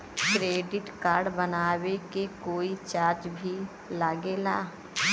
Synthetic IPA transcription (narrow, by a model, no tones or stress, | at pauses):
kɾeːɖɪʈkaːɾɖbənaːwekekoːit͡ʃaːɾt͡ʃbʱi | laːɡeːlaː